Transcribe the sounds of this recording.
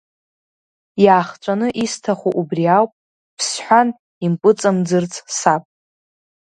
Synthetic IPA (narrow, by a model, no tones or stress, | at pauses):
jaːχt͡ʃʷʼanɨʔistʰaχʷuʔubriawpʼ | pʰsħʷᶣan | impʼɨt͡sʼamd͡zɨrt͡sʰʼsapʼ